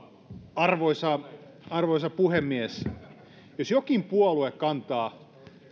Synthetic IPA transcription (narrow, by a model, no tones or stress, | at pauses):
ɑrʋoisɑ | ɑrʋoisɑpuhemːies | josjokimpuoluekkɑnt̪ɑː